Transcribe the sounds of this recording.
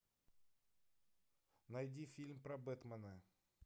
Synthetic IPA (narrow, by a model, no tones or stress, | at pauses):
nɐjdʲifʲilʲmpɾɐbɛt̪mɐnə